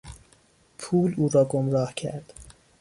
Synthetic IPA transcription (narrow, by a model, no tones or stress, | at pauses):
pʰuːluːɾɒːɡomɾɒːhcʰæ̰ɾd̪̥